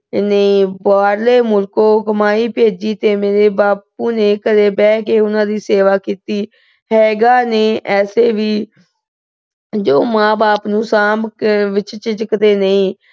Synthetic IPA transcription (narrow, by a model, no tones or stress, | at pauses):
nəĩːbaːɾleːmʊlkoːkəmaːiːpeːd͡ʒiːt̪eːmeːɾeːbaːp̚uːneːkəɾeːbɛːkeːʊnãːd̪iːseːʋaːkiːt̪iː | ɦɛːɡaːneːʔɛːseːʋiː | d͡ʒoːmãːbaːpnũːsaːmʋɪt͡ʃt͡ʃɪt͡ʃəkəd̪eːnəĩː